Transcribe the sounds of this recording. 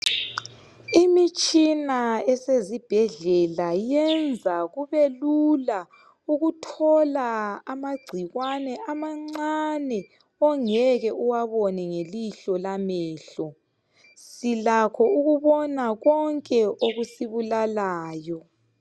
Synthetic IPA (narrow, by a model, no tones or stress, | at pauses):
imit͡ʃʼinaɛsezib̥ʱɛɮɛlajɛnd͡zʱaɣuβelula | uɣutʰɔlaːmaɡ͡ǀʱiɣwanɛʔamaŋ͡ǀanɛ | ɔŋɛɣɛʔuwaβɔnɛŋeliɬɔlamɛːɬɔ | silakʰɔuɣuβɔnaɣɔŋkʼɛʔoɣusiβulalaːjɔ